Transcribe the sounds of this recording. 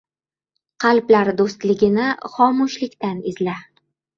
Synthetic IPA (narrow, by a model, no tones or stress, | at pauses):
qʰɑlblaɾd̪ost̪lɪɡʲɪnɪχɒmʊʃlɪkʲt̪anɪzla